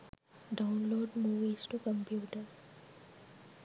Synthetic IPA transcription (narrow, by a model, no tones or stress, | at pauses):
ɖaʊ̃nloːɖmuːʋizʈukəmpjuːʈəɾ